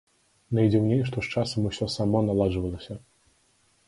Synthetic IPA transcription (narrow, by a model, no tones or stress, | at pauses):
nɐjd͡zʲiwnʲejʂt̪ɔʂt͡ʂasɐmusʲɔsamɔnalˠaʐɨvɐlˠɐsʲɐ